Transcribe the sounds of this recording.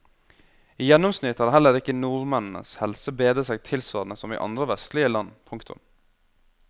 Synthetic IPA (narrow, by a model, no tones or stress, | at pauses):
iːjɛnːʊmsnɪt̪hɑːdɦɛlːəɾɪkːənuːɾmɛnn̩ə̰shɛlsəbeːd̪əsɛɡt̪ʰɪlsʋɑːɾnəsɔmḭːʔɑ̰nd̪ɾəʋɛst̪lɪəlɑnpʰʊŋkt̪ʰʊ̰m